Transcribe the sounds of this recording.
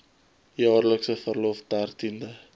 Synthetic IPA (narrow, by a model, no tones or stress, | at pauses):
jɑːrləksəfərlofdært̪ində